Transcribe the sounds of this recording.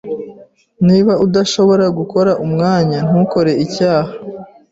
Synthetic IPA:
niːβaudaʃo̞βo̞ɾaɡuko̞ɾaʔumŋaːɲan̥huko̞ɾe̞icaːha

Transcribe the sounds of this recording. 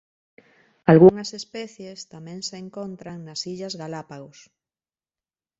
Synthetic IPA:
alɣuŋɐsespɛθjest̪amẽŋseːŋkont̪ɾaŋnɐsiʎɐzɣalapaɣos

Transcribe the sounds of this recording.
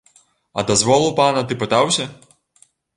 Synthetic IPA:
ɐ̰d̪ɐzvɔlˠɨwpanɐt̪ɨpɨt̪awsʲɐ

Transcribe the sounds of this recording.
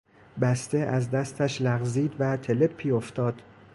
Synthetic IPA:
bæst̪eʔæzd̪æst̪ʰæʃlæɣziːd̪væt̪ʰelepʰːiːoft̪ɒːd̪̥

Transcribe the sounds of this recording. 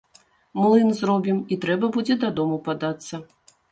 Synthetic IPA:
mlˠɨnzɾɔbʲimit̪ɾɛbɐbud͡zʲɛd̪ad̪ɔmupad̪at̪sːɐ

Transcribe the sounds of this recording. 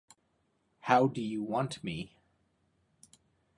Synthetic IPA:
haʊdɨjɨwɑ̃ntmi

